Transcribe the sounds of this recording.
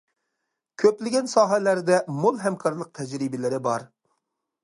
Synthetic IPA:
kʲʰøplɪɡʲɛnsɑːɦɛlæɾd̪ɛmolˠɦɛmkʰɑɾlˠəq̚t̪ʰɛd͡ʒɾibɪlɪɾɪbɑɾ

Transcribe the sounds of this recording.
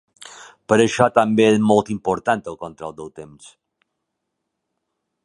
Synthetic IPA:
pəɾəʃɔt̪əmbeɛzmolˠt̪impoɾt̪ant̪əlˠkont̪ɾɔlˠd̪əwt̪ems

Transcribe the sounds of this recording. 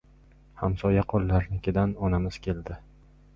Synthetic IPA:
hamsɒjaqʰolːaɾnɪkʲɪd̪anɒnamɪz̥kʲʰe̞ld̪ɪ

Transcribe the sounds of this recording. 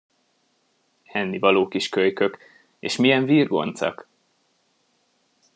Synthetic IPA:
hɛnːivɒloːkiʃkøjkø̞k | ḛːʃmijɛɱviːrɡo̞̰nt̪sɒ̰k

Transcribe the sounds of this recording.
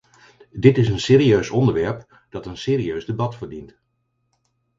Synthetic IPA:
dɪtɪsənseːɾiøɥsɔndəɹʋɛɹp | d̥ɑtənseːɾiøɥzdəbɑtfəɹdint

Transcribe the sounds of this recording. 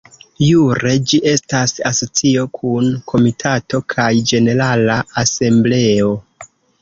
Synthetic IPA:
juɾe̞d͡ʒiʔe̞stasaso̞t͡sio̞kʰunkʰo̞mitʰato̞kʰajd͡ʒe̞ne̞ɾalaase̞mble̞o̞

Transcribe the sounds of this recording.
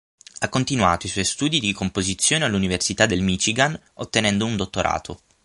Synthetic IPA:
akːont̪inwa̰ːt̪oiswɔjst̪uːd̪id̪ikompozit̪sːjoːnealːuniversit̪ad̪elmit͡ʃiɡan | ot̪ːenɛnd̪ound̪ot̪ːoɾʔa̰ːt̪ʰo̰

